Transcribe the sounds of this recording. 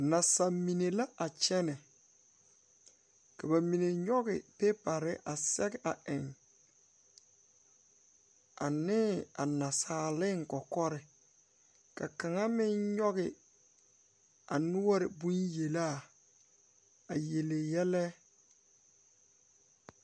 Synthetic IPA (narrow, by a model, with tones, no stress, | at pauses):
na˨sa˨mi˨ne˨la˦ʔa˨t͡ʃɛ˦nɛ˨ | ka˨ba˨mi˨ne˨ɲɔ˦ɡɪ˨pe˦pa˨ɾɪ˦ʔa˨sɛ˦ɡɪ˦ʔa˨ʔɪ˨ŋ | a̰˨nɪ˦a̰˨na˨saː˨lɪ˦ŋ̩˨kɔ˨kɔ˦ɾɪ˨ | ka˨ka˨ŋa˦mɪ˦nɲɔ˦ɣɪ˨ | a˨nʊ˦wa˦ɾɪ˨bũ˦nje˨la˦˨ | a˨je˨le˨jɛ˦lɛ˦